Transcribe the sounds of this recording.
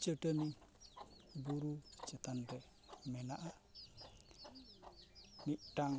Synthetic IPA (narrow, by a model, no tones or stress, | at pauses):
t͡ʃəʈəni | buɾut͡ʃɛt̪anɾɛ | mɛnaʔa | niʔ̚ʈaŋ